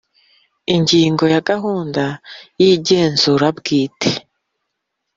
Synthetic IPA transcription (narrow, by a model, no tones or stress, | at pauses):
iɲɟiːŋɡo̞jaɡaɦuːndajiɟe̞ːnzuɾabɡiːtʰe̥